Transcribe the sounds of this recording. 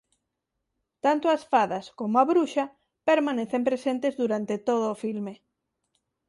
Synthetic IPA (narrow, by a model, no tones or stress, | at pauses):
t̪ant̪oasfaðɐskomoaβɾuʃɐ | peɾmaneθempɾesent̪ezðuɾant̪et̪oðʊːfilme